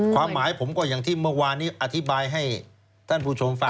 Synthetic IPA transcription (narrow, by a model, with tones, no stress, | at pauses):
kʰwaː˧mːaː˩˦jpʰo˩˦mkɔː˥˩jaː˨˩ŋt̪ʰiː˥˩mɯ˥˩ɐwaː˧nːiː˦˥ʔa˧t̪ʰi˦˥baː˧jɦa˥˩j | t̪ʰa˥˩npʰuː˧t͡ɕʰo˧mfa˦˥